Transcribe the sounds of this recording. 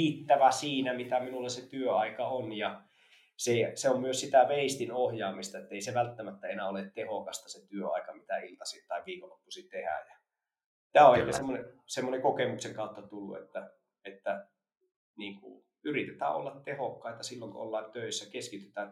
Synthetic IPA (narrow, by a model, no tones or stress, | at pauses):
iːt̪ːæʋæsiːnæmit̪æminulːeset̪yøɑikɑonjɑ | seseommyøssit̪æʋeist̪inohjɑːmist̪ɑet̪ːæeˑiseʋælt̪ːæmæt̪ːæenæːoleˑt̪t̪ehokɑst̪ɑset̪yøɑ̰ˑikɑmit̪æilt̪ɑsit̪ɑˑiʋʋiːkolːopːusit̪ehæ̰jæ | t̪æːoeikesemːonesemːonekokemukseŋkɑˑut̪ːɑt̪ulːṵḛt̪ːæ | et̪ːæ | niːŋkṵ | yrit̪et̪æ̰ːʔʔo̰lːɑt̪tehokːɑˑit̪ɑsilːoŋko̰o̰lːɑent̪øˑisːækeskit̪yt̪æːn